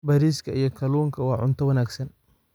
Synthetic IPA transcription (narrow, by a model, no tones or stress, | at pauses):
bɐɾiːskʰɐijɔkʰɐluːŋkʰɐwɑːʕʊ̰nt̪ʰɐwɐnaːɡsɐn